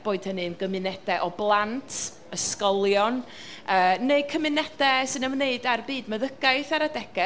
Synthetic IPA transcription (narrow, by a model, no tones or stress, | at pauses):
b̥oːɨd̥hənɨnɡəmɨnɛdɛʔɔblˠantʰ | əskɔlˠjɔn | əːneɨkʰəmɨnɛdɛsɨnəmneɨdarbiːdməðəɡaɨθaɾadɛɡ̥ɛ